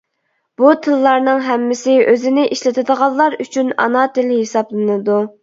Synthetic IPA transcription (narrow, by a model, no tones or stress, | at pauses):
b̥ut̪ʰɨlːɑɾnɨŋɦɛmːɪsɪʔøzɪnɪʔiʃlɪt̪ʰɨd̪əʁɑlˠːɑɾyt͡ʃʰynɑ̰nɑt̪ɪlɦesɑblˠɨnɨd̪u